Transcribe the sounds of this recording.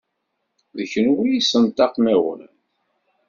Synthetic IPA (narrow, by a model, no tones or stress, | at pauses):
ðəçənwijisənt̪ɑqmæwə̰n